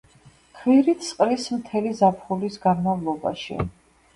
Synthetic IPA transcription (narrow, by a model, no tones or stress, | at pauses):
kʰviɾit̪ʰsqʼɾismt̪ʰɛlizapʰχulisɡanmavlˠɔba̰ʃḭ